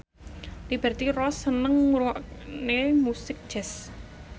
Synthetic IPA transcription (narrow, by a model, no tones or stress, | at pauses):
libɛrt̪irɔsənəŋuɾwɔʔnemusɪk̚ʒ̥ɛs